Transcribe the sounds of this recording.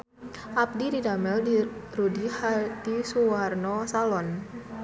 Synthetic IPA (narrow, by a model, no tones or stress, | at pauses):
ʔap̚dididamɛldirudihad̥isuarnosalɔn